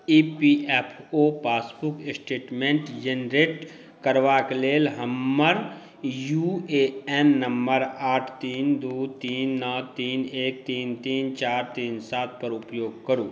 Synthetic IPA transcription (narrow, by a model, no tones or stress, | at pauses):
iːpiːʔɛːpʰoːpaːsbʊksʈeːʈmẽːɳʈd͡ʒenɾeːʈ | kəɾʋaːkleːlɦəmːəɾ | juːeːɛnːəmbəɾaːʈʰt̪iːnd̪uːt̪iːnːəːt̪iːneːk̚t̪iːnt̪iːnt͡ʃaːɾt̪iːnsaːt̪̚ʰpəɾʊpjoːɡ̚kəɾuː